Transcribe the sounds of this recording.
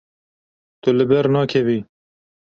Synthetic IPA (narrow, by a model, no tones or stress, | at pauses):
t̪ʊlɨbɛɾnɑːkʰɛvi